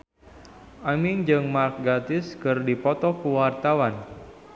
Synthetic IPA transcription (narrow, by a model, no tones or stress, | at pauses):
ʔamɪŋd͡ʒɨŋmark̚ɡat̪ɪskɨrdipɔt̪ɔkuwart̪awan